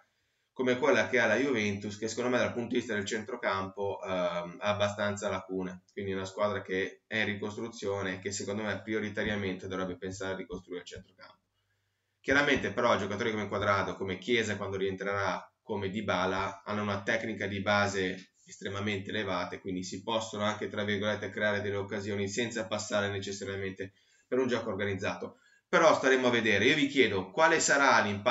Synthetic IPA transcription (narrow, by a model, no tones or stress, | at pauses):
komekwelːakealːajuvɛnt̪uskesːekond̪omed̪alpunt̪od̪ivist̪ad̪elt͡ʃent̪ɾokampoʔɛabːast̪ant̪salakuːnakwind̪iunaskwaːd̪ɾakeɛinrikost̪ɾut̪sːjoːnekesːekond̪omepːɾioɾit̪aɾjament̪ed̪ovɾɛbːepensaːɾearikost̪ɾuiːɾeilt͡ʃent̪ɾokampo̥ | k̟jaɾament̪epeɾɔid͡ʒokat̪oːɾikomekwad̪ɾaːd̪okomekjɛːzakwand̪oɾient̪ɾeɾakomed̪ibaːlaanːounat̪ɛknikad̪ibaːze | est̪ɾemament̪eːlevaːt̪aekwind̪isipɔsːonoaŋk̟et̪ɾavːirɡolet̪ːekɾeaːɾed̪elːeokːazjoːnisɛnt̪sapasːaːɾenet͡ʃesːaɾjament̪e | peɾund͡ʒɔːkoːrɡanid̪zːa̰ːt̪o | peɾɔst̪aɾeːmoaved̪eːɾeiːovikjɛːd̪okwaːlesaɾalimp